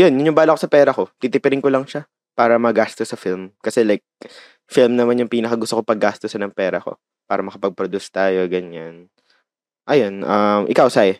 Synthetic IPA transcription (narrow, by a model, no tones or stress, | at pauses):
jonjʊnjʊŋbaːlakosɐpɛːɾɐko̞t̪it̪ɪpɪɾɪnkolɐŋʃa | paːɾɐmɐɡaːst̪osːɐfilmkɐsɛlajk̚ | filmnɐmanjʊŋpiːnɐkɐɡʊst̪okopɐɡːaːst̪osɐnɐŋpɛːɾɐko̞̰ | paːɾɐmɐkɐpɐɡ̚pɾod̪ust̪aːjo̞ɡɐɲːan | ʔɐjonʔɐmʔɪ̰kawsaj